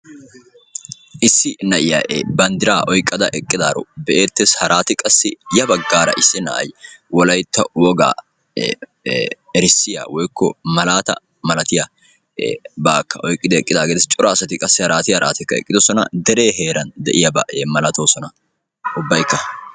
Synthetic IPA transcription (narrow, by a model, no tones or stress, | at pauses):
ʔɪsːɪnɐʔɪja̰ʔeːbɐnd̪ɪɾaːʔɔjkʼːɐd̪ɐʔɛkʼːɪd̪aːɾɔ̰bɛʔeːt̪ːeshɐɾʔaːt̪ɪkʼɐsːɪjɐbɐɡːaːɾɐ̰ʔɪsːɪnɐ̰ʔɐ̰jwɔlɐjt̪ːɐwɔɡa̰ː | ɛɾɪsːɪja̰wɔjkʰːɔmɐlaːt̪ɐ̰ | mɐlɐt̪ɪjɐ | baːkːɐʔɔjkʼːɪd̪ɛɛkʼːɪd̪aːɡed̪ɛst͡ʃʼɔɾaːsɐt̪ɪkʼɐsːɪhɐɾaːt̪ɪjɐɾʔa̰ːt̪ɪkːɐɛ̰kʼːɪd̪ɔsɔnɐ̰d̪ɛɾe̞ːɦeːɾɐnd̪ɛʔɪjɐbɐʔeːmɐlɐt̪o̞ːsɔnɐ | ʊbːɐjkːɐ